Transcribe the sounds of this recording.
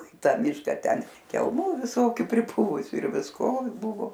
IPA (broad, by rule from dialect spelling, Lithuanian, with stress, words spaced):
ɪ ˈtɐ ˈmʲɪʃkɐ ˈtʲɛn kʲɛlˠˈmuː ʋʲɪˈsoːkʲuː pʲrʲɪˈpʊʋʊsʲʊ ɪr ʋʲɪsˈkoː ˈbʊʋoː